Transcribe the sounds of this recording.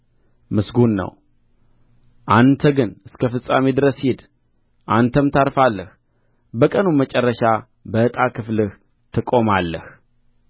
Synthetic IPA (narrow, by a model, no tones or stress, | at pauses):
mɨsɡunːə̰w | ʔant̪ʰəɡɨnɨskʰəfɨsʼa̰med̪ɨɾəshed̪ | ʔant̪ʰəmt̪ʰaɾfalːəh | bəkʼənumət͡ʃʼɛrːəʃa | bəɨt̪ʼakʰɨflɨh | t̪ʰɨkʼo̞malːəh